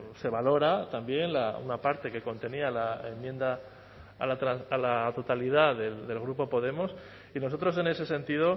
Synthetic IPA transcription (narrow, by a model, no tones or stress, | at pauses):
se̞β̞alo̞ɾat̪ambje̞nlaṵnapaɾt̪e̞ke̞ko̞nt̪e̞nialaḛmje̞nd̪a | a̰lat̪ɾaalat̪o̞t̪aliðaðe̞ld̪e̞lɣ̞ɾupo̞po̞ð̞e̞mos | ino̞so̞t̪ɾo̞s̬e̞ne̞se̞se̞nt̪ið̞o̞